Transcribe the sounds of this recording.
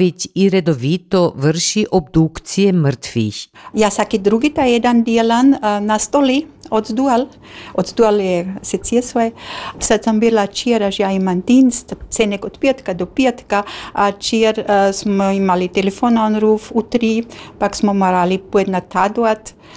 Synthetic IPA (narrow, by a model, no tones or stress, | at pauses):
it͡ɕiɾed̪oʋit̪oʋrʃiʔobd̪ukt̪sijemr̩t̪ʋiçjaːsakid̪ɾuɡit̪ajed̪and̪ielannast̪oliod̪zd̪ual | od̪zd̪ualjesesijesoesat̪sambilat͡ʃieɾaʒjaimant̪inst̪t͡s̪enekot̪piet̪kad̪opiet̪kaat͡ʃieɾsmoimalit̪elefonaonɾufut̪ɾipaksmomaɾalipued̪nat̪ʰad̪uat̪